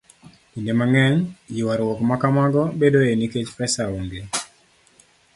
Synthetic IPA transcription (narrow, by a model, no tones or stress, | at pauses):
pindemaŋɛɲjɪwaɾwɔkmakamaɡɔbedoeniket͡ʃpɛsauŋɡe